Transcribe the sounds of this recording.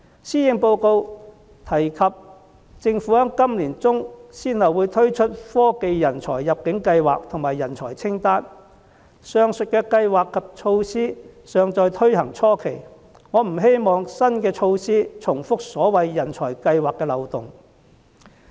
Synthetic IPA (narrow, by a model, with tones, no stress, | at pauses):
siː˥jɪ˨˧ŋpo˧wko˧w | t̪ʰɐ˨˩jkʰɐ˨p̚ | t͡sɪ˧ŋfu˨˥hœː˥ŋkɐ˥mliː˨˩nt͡sʊ˥ŋsiː˥nhɐ˨wu˨˧jt̪ʰɵ˥ɥt͡ʃʰɵ˥t̚fɔː˥ke˧jːɐ˨˩nt͡ʃʰɔː˨˩jːɐ˨p̚kɪ˨˥ŋkɐ˧jwaː˨k̚t̪ʰʊ˨˩ŋmaː˨˩jːɐ˨˩nt͡ʃʰɔː˨˩jt͡sʰɪ˥ŋt̪aː˥n | sœː˨˧ŋsɵ˨t̚kɛː˧kɐ˧jwaː˨kʰːɐ˨p̚t͡ʃʰo˧wsiː˥sœː˨˧ŋt͡sɔː˧jt̪ʰɵ˥ɥhɐ˨˩ŋt͡ʃʰɔː˥kʰe˨˩j | ŋɔː˨˧m̩˨˩ɦe˥jmɔː˨˧ŋsɐ˥nkɛː˧t͡ʃʰo˧wsiː˥t͡sʰʊ˨˩ŋfʊ˥k̚sɔː˨˥wɐ˨jːɐ˨˩nt͡ʃʰɔː˨˩jkɐ˧jwaː˨kːɛː˧lɐ˨wt̪ʊ˨˩ŋ